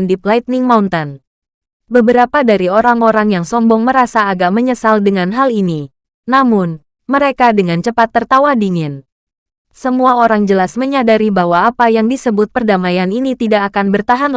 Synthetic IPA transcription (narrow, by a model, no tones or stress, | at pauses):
ndiplajt̪̚nɪŋmaunt̪an | bəbəɾapadaɾioɾaŋoɾaŋjaŋsɔmbɔŋməɾasaːɡaʔməɲəsaldəŋanɦalini | namʊn | məɾekadəŋant͡ʃəpat̪ːərt̪awadiŋɪn | səmuaoɾaŋd͡ʒəlasməɲadaɾibawaːpajaŋdisəbʊt̪̚pərdamajaninit̪idaʔːkanbərt̪aɦan